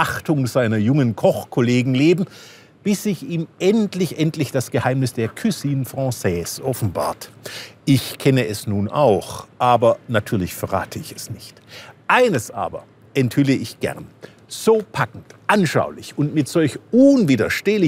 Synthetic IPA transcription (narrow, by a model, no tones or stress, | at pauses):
ʔaχtʊŋzaɪnɐjʊŋənkʰɔχkʰoleːɡŋ̩leːbm̩ | b̥ɪsz̥ɪçiːmʔɛntlɪçʔɛntlɪçd̥asɡ̥əhaɪmnɪsd̥eːɐkʰysiːnfʁ̥ɑ̃ːsɛːsʔɔfn̩ba̰ːɐtʔɪçkʰɛnəʔɛsnuːnʔa̰ʊxʔaːbɐnatʰyːɐlɪçfɛɐʁa̰ːtʰəɪçɛsnɪçtʔaɪnəsʔa̰ːbɐ̰ | ʔɛnthʏləʔɪçɡ̥ɛ̰ʁn | z̥oːpʰakŋ̩tʔanʃa̰ʊlɪçʊntmɪtz̥ɔlçʊnviːdɐʃteːlɪ